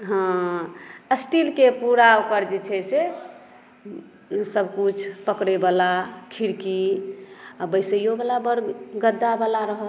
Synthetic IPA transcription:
ɦã | əsʈilkepuɾaokəɾd͡ʒet͡ʃʰɛse | səbkut͡ʃʰpəkɾebalakʰiɾki | abəjsəjobalabəɾɡəd̪ːabalaɾəɦəl

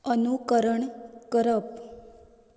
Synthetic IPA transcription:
ənukəɾəɳkəɾəp̚

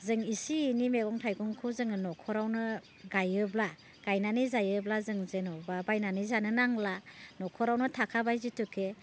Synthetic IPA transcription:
zɯŋisiːnimeɡɔŋtʰajɡɔŋkʰɯzɯŋɯnɔkʰɔɾawnɯ | ɡajɯbla | ɡ̥ajnanizajɯblazɯŋzenɔbabajnanizanɯnaŋlanɔkʰɔɾawnɯtʰakʰabajzitukʰe

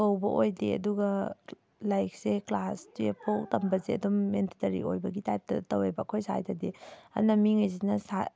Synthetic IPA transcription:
kɐwbɐʔojdeɐ̰duɡɐ | lajk̚seklastepʰowtɐmbɐzeɐ̰dumːentitɐɾḭo̰jbɐɡitajp̚tɐ̰tɐwebɐkʰojsa̰jtɐdeɐ̰nɐmiŋajzinɐsa

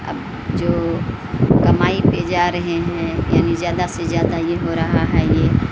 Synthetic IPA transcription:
ɐ̰b | d͡ʒoː | kɐmaːiped͡ʒaːɾɐɦeɦɛ̃ːja̰ːnizjaːd̪asezjaːd̪ajeɦoɾɐɦaɦɛːjeː

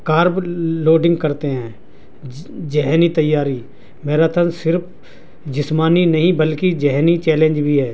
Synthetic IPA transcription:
kaːɾbloːɖɪ̃ŋɡ̚kɐɾt̪eɦɛ̃ː | d͡ʒɛɦnit̪ɐjːaːɾi | meːɾat̪ʰənsɪɾpʰ | d͡ʒɪsmaːninəɦĩbəlkid͡ʒɛɦnit͡ʃɛːlẽːnd͡ʒbʱiɦɛː

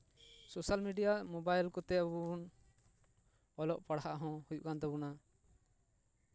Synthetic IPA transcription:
sosalmiɖijamɔbajlkɔt̪ɛbun | ɔlɔʔpaɽhaʔɦɔ̃hujṵʔkant̪ɛbuna

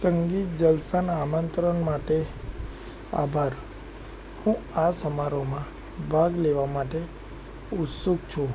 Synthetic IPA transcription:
səŋɡit̪̚d͡ʒəlsənamənt̪ɾənmaʈe | a̰bʱaɾ | hũasəmaɾomã | bʱaɡleʋamaʈe | ʊt̪suɡt͡ʃʰu

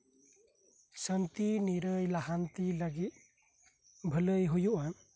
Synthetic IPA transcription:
sənt̪iniɾəjlaɦant̪iləɡit̪̚ | bʱələjɦujuʔa

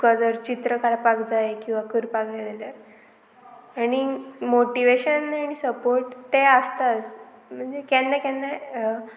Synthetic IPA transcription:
kɔd͡zɔɾt͡ɕit̪ɾəkʰalapakd͡zaekĩw̃ʋakəɾpakd͡zalelja | aɽ̃imoʈiʋeɕənaɽ̃isəpoɾʈt̪eəst̪at͡sm̤əɳd͡zekɛ̃nːakɛ̃nːɛ

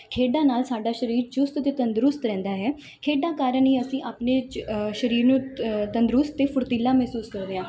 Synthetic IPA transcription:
kʰeːɖaːnaːlsaːɖaːʃəɾiːɾd͡ʒʊst̪t̪eːt̪ənd̪ɾʊst̪ɾɛ̃ːnd̪aːɦɛː | kʰeːɖaːkaːɾəniːəsĩːʔaːpneːʃəɾiːɾnũːt̪ənd̪ɾʊst̪t̪ːeːpʰʊɾt̪iːlːaːmɛːsuːskəɾd̪eːãː

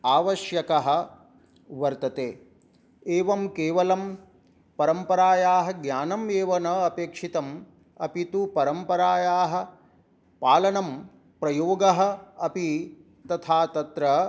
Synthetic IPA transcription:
aːʋɐʃjɐkɐɦɐ̆ | ʋɐɾt̪ɐt̪eː | eːʋɐmkeːʋɐlɐm | pɐɾɐmpɐɾaːjaːɦɐ̆ɡɲaːnɐmeːʋɐnɐɐpeːkʂit̪ɐm | ɐpit̪upɐɾɐmpɐɾaːjaːɦɐ̆ | paːlɐnɐm | pɾɐjoːɡɐɦɐ̆ɐpi | t̪ɐt̪ʰaːt̪ɐt̪ɾɐ

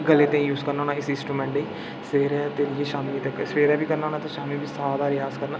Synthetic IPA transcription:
ɡəlːeːt̪ẽːjuːzkəɾnaɦoːnaːɪsɪ̃nsʈɾuːmɛ̃ɳʈeiː | seːɾɛːt̪eːɾijeːʃaːmiːt̪əkːsʋeːɾɛːbiːkəɾnaːɦoːnãːt̪ãːʃaːmiːbiːsaːd̪aːɾɪjaːskəɾnaː

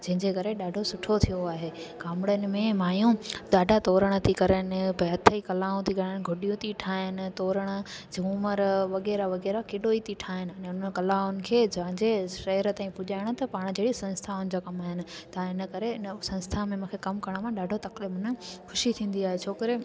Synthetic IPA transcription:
d͡ʑɐ̃ɦɪ̃ɲd͡ʑekɐɾeɗaːɖʱosʊʈʰot̪ʰijoaːɦeː | ɡaːmɪɽənɪ̆mẽmaːjũɗaːɖʱat̪oːɾəɽ̃ə̆t̪ʰikɐɾənɪ̆pɛɦɐt̪ʰəikɐlaːũt̪ʰikɐɾənɪ̆ɡʱʊɗijũt̪ʰiʈʰaːɦɪnɪ̆t̪oːɾəɽ̃ə̆ | d͡ʑuːməɾʋɐɣɛːɾaʋɐɣɛːɾakeːɗoit̪iʈʰaːɦɪnɪ̆ɐːnẽʊnəkɐlaːʊnɪ̆kʰeːd͡ʑɐʋ̤ɪ̃ɲd͡ʑeʃɐɦəɾət̪aːĩpʊʄaːɪɽ̃ʊt̪ɐpaːɽ̃d͡ʑʱeːɽisɐ̃nst̪ʰaʊnɪ̆d͡ʑoːkɐmaːɦɪnɪ̆t̪ɐãɪnə̆kɐɾeɪsɐ̃nst̪ʰamẽmũːkʰekɐmkɐɾəɽ̃mãɗaːɖʱot̪ɐklɪmənə̆xʰʊʃit̪ʰĩːn̆d̪iaːɦet͡ɕʰoːkəɾe

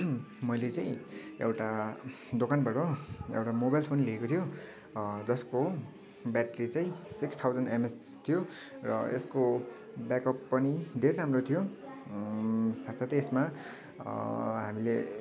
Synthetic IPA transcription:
mʌjlet͡saĩḛwʈa | d̪okanbaʈoḛwʈamobajlpʰonleekot̪ʰijo | d͡zʌsko | bjaʈɾit͡saĩsikst̪ʰawd͡zʌnemes | t̪ʰijo | rʌ̰ḛsko | bjakʌpːʌnid̪ʱeɾeɾamrot̪ʰijo | sat̪sʰʌt̪ʌesma | ɦamile

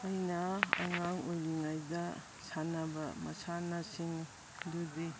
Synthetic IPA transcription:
ajnaa̰ŋaŋujliŋajdɐ | sanɐbɐ̰mɐ̰sanasiŋ | dudi

